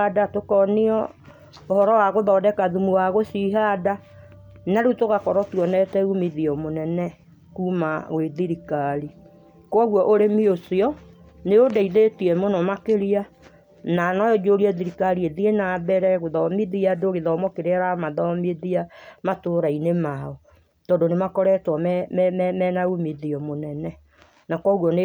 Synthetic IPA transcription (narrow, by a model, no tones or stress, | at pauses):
datokɔneɔ | ohɔɾɔwaɣoðɔdɛkaðumuwaɣosiɦada | naɾutoɣakɔɾɔtwɔnɛtɛɣumiðiɔmonɛnɛ | kumaɣweðiɾikaɾi | kwɔɣwɔʔoɾemiosiɔ | neodaiðetiɛmonɔmakeɾia | nanɔjɔd͡ʒoɾiɛðiɾikaɾieðienabɛɾɛɣoðɔmiðiadoɣeðɔmɔkeɾeɛɾamaðɔmeðiamatoɾainemaɔ | tɔdonemakɔɾɛtwɔmɛmmmɛnaɣumeðiɔmonɛnɛ | nakwɔɣwɔn